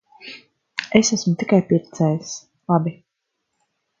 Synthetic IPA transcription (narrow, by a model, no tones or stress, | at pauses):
esasmut̪ikajpiɾt̪sɛːjis | lˠabi